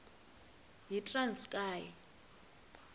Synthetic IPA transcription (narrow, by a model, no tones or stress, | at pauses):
ɦitʼrant͡skʼaːjɛ